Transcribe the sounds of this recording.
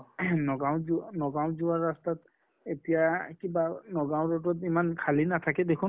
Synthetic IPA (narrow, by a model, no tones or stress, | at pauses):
nɔɡaw̃zunɔɡaw̃zuaɹːastat | etijakibanɔɡaw̃ɹɔtɔtimankʰalinat̪ʰakɛd̪ekʰun